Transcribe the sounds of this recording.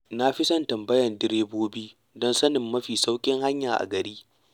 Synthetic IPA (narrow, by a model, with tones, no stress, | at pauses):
na˦ɸɪ˦sɐ˦ntɐ˨mbɐ˦jɐ˨ndɪ˦ɾeː˦boː˦biː˦ | dɔ˦nsɐ˦nɪ˨mːɐ˦ɸiː˨sa˦wkʲʼɪ˦ŋha˦ɲjaː˨ʔa̰˨ɡɐ˨ɾiː˦